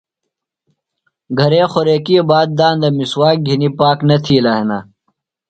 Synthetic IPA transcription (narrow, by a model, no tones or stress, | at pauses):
ɡʱɐɾeːxoɾeːkiːbaːd̪̚d̪aːnd̪ɐmiswaːk̚ɡʱinipaːknɐt̪ʰiːlaːɦenaː